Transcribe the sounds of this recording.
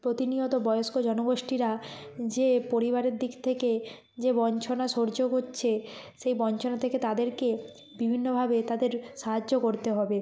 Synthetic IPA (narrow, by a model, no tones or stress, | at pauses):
pɾot̪iniot̪obɔjoskod͡ʑɔnoɡoʃʈiɾad͡ʑepoɾiβaɾeɾd̪ikt̪ʰeke | d͡ʑebɔnt͡ɕʰonaʃoɾd͡ʑoɦotːɕʰeʃejbɔnt͡ɕʰonat̪ʰeket̪ad̪eɾke | bibʱinːobʱabet̪ad̪eɾʃaɦad͡ʑokoɾt̪eɦɔbe